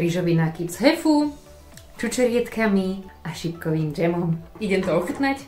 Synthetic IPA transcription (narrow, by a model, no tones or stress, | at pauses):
ɾiʒɔʋinakipzɦɛfu | t͡ʃut͡ʃɛɾɪɛt̪kʰamiaʃipkɔʋiːmd͡ʒɛmɔmiɟɛmt̪ɔɔxut̪nac